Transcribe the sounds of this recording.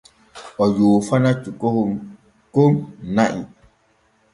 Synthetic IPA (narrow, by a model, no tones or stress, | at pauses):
ɔjuːfanat͡ʃukohum | komnaʔḭ